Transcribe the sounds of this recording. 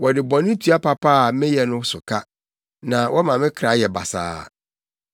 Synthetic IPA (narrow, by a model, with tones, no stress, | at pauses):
wɔ˨dɪ˨bɔ̃˨nɪ̃˦tʰu˨˦a˦pʰa˦pʰa˦˨mɪ̃˦jɛ˨nʊ̃˦sʊ˨kʰa˦ | nã˨wɔ˦mã˨mɪ̃˦kʰɾa˨˦jɛ˨ba̰˨sa̰ː˦